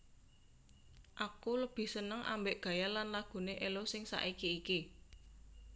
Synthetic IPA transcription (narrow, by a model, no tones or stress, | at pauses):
ʔakuləb̥i̤hsənəŋʔa̰mbeʔɡ̥ä̤jalanlaɡ̥ṳneʔelosɪŋsa̰ʔikiiki